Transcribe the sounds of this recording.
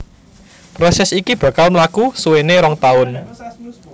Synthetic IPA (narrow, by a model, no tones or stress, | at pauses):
pɾosɛsikib̥ä̤kalmlakusuweneɾɔŋt̪aʊn